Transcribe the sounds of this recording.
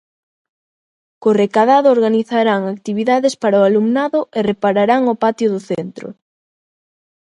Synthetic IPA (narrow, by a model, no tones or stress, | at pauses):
korekaðaðʊoɾɣaniθaɾaŋakt̪iβiðaðespaɾaʊalumnaðʊʔerepaɾaɾaŋopat̪jʊðʊθent̪ɾʊ̰